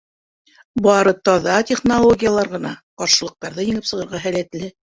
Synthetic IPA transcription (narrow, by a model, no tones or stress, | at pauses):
bɑɾɤt̪ɒðɑtʲeχnolˠoɡʲijalˠɑɾʁɤ̆nɑqɑɾʃɤ̆lˠɤ̆q̚t̪ɑɾðɤjɘ̆ŋɘpsɤ̆ʁɤ̆ɾʁɑɦælæt̪lɘ